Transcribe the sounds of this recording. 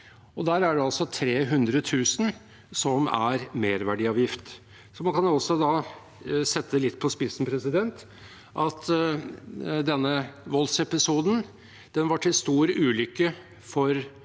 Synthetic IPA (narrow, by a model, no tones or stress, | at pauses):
ɔd̪æːɾæɖɛɑlsɔt̪ʰɾeːɦʉnd̪ɾət̪ʰʉːsən | sɔmæ̰ɾmeːɾʋæɖiːɑːʋjɪft̪ | sɔmɑnkʰɑnɔsɔd̪ɑː | sɛt̪ːəlɪt̪ːpʰɔspɪsn̩pʰɾɛsɪd̪ɛnt̪ | ʔɑt̪ | d̪ɛnːəʋɔlsɛpɪsuːd̪n̩ | d̪̥ɛnʋɑʈʰɪlst̪uːɾəʔʉːlʏkːə | fɔɾ